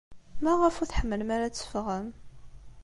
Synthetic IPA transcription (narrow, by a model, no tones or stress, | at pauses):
mæʁəfʊɾθħəmːəlmæɾæt͡sːə̥fʁəm